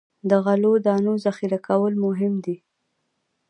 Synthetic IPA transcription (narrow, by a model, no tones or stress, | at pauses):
d̪əɣalod̪ɑnozaxiɾakawəlmʊɦɪmd̪i